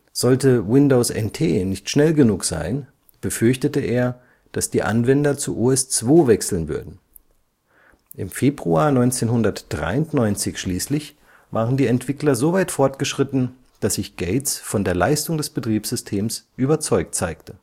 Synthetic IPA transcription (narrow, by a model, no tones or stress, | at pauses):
z̥ɔltəwɪndoːsʔɛ̰ntʰeːnɪçtʃnɛlɡənuːkz̥a̰ɪn | b̥əfʏɐçtətəʔeːɐ | d̥asd̥iːʔa̰nvɛndɐt͡suʔuɛst͡sv̥oːvɛksl̩nvʏ̰ɐdn̩ | ʔɪmfeːbʁuaːnɔʏnt͡seːnhʊndɐtd̥ʁa̰ɪʊntnɔʏnt͡sɪçʃliːslɪç | vaːʁəndiːɛntv̥ɪklɐzoːvaɪtfɔɐtɡ̥əʃʁ̥ɪtn̩ | d̥asz̥ɪçɡ̥eɪtsfɔndeːɐla̰ɪstʊŋdɛsb̥ətʁ̥iːpsz̥ʏstʰeːmsʔyːbɐt͡sɔʏk̚tt͡saɪktʰə̥